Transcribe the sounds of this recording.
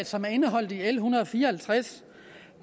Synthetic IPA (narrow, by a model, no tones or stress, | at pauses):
sɒ̽mæɐe̝nəɦɒ̽l̰d̥ielɦunɐðˠɒfiːɐhælt͡sʰʁas